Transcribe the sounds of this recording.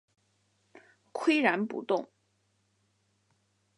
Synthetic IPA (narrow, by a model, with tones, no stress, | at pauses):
kʰwe˥ɪɻa˧˥npṵ˨˩t̪ʊ˥˩ŋ